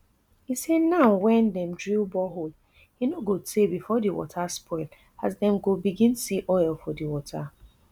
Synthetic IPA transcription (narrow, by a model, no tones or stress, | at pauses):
isɛdnaʊwɛ̃ndɛ̃mdɹibɔɦo | hinoɡotʰebifɔdiwɔ̰tʰaspʰɔɪl | azdɛ̃mɡobiɡĩnsiʔɔɪlfɔdiwɔtʰa